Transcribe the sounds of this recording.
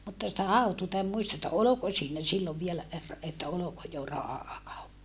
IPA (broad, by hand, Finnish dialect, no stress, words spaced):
mutːɑ sitæ hɑutuːtɑ em muistɑ etːæ oloko siːnæ silːoʋ ʋielæ er etːæ oloko jo rɑhɑˑkɑupːɑ